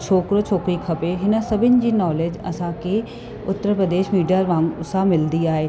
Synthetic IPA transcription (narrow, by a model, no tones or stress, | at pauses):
t͡ɕʰoːkɾot͡ɕʰoːkɾikʰɐpeɦɪnə̆sɐbʱɪnɪ̆d͡ʑiːnɔːleːd͡ʑɐsãkʰe | ʊt̪ːəɾpɾəd̪eːʃmiːɖijaɾʋãːŋsãmɪlnd̪iaːɦeː